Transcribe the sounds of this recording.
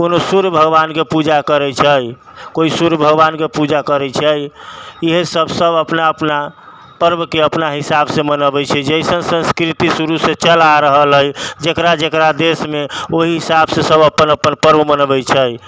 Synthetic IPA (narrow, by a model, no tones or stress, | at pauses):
konosuɾjəbʱəɡbankepud͡ʒakəɾɛt͡ʃʰəj | koisuɾəbʱəɡʋankepud͡ʒakəɾɛt͡ʃʰəjiɦsəbʱsəbəpnaəpna | pəɾbkeəpnaɦisabsemənəbɛt͡ʃʰɛd͡ʒəisənsə̃nskɾit̪isuɾuset͡ʃəlaɾəɦəlɦəjd͡ʒekɾad͡ʒekɾad̪esmeoɦiɦisabsesəbəpːənəpːənpəɾbəmənəbɛt͡ʃʰəj